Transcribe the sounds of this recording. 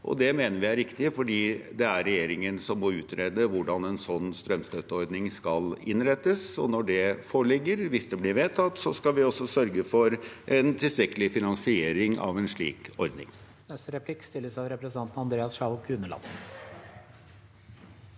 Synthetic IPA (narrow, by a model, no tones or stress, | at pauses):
ʔɔ̰d̪ɛmeːnəɾʋɪæɾɪkt̪ɪfɔɖiːd̪ɛæɾɾɛjeːɾɪŋənsɔmːɔʉːt̪ʰɾeːd̪əʋʊɖɑnɛnsɔnːst̪ɾœmst̪øt̪əɔɾd̪nɪŋskɑlɪnɾɛt̪ːəsɔ̰nɔɖɛfoːɭɪɡːəɾʋɪsd̪ɛblɪɾʋeːt̪ʰɑt̪ːsɔskɑʋɪɔsːɔsœɾɡəfɔɾʔɛnt̪ʰɪlst̪ɾɛkːəlɪfɪnɑnsɪeːɾɪŋɑ̰ʋɛnʂɭḭːkɔɾd̪nɪ̰ŋ | nɛst̪əɾɛpʰlɪkst̪ɪlːəsɑʋɾɛpɾɛsnɑnt̪n̩ɑnd̪ɾeːɑsʂɑʊkʰʉnəlɑ̰n